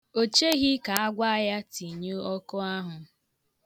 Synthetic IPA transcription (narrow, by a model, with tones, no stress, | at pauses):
o˦˨t͡ʃe˦ɣi˦ka˨a˦ɡʷa˦ja˦ti˨ɲo˦ɔ˦kʊ˦a˦ɦʊ˨